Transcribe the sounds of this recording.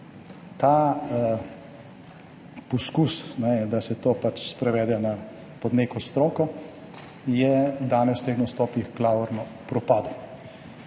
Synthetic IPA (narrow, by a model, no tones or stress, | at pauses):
t̪a | pɔskusnɛd̪asɛt̪oːpat͡ʃspɾɛʋɛːd̪ɛna | pɔd̪neːkɔst̪ɾoːkɔ | jɛd̪aːnɛst̪eːxnɐst̪ɔːpixklaːɔɾnɔpɾɔpaːd̪u